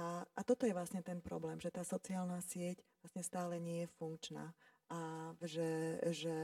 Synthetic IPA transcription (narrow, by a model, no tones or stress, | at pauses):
ʔaʔat̪ɔt̪ɔjɛʋlasɲɛt̪ɛnpɾɔ̰blɛːmʒɛt̪aːsɔt͡siaːlnaːsɪɛcʋlasɲɛst̪aːlɛɲɪɛjɛfuŋkt͡ʃna̰ːʔaʒɛʒɛ